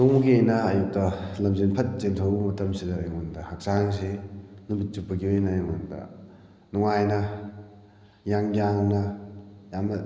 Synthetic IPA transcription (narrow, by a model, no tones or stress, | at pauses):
nuŋuɡiejnɐːjuk̚tɐlɐmzenpʰɐt̚zentʰɐwmɐtɐmsidɐːjŋondɐhɐk̚saŋs̬enumit̚t͡ʃupːɐɡiojnɐjŋondɐ̰ | nuŋajnɐ | jaŋjaŋnɐjamnɐ